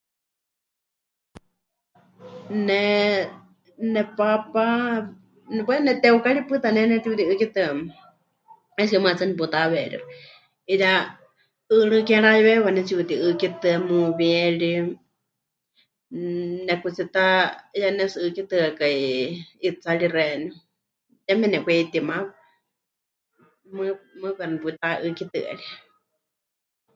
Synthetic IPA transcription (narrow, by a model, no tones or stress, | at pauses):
nɛ | nɛpapa | nɛpanɛt̪ɛukaɺipɨt̪anɛnɛt̪iut̪iɨkit̪ɨam | ɛskɛmat͡sanip̬ut̪aβɛɺḭɾa | ija | ɨɺɨkɛɺajɛβɛβanɛt͡siut̪iʔɨkit̪ɨamuβɛɺi | nɛkut͡sit̪ajanɛsɨɨkit̪ɨakaiit͡saɺirɛni | jamɛnɛkʷɛit̪ima | mɨmɨβɛɾaniput̪aʔɨkit̪ɨ̰ɛ̰ɺi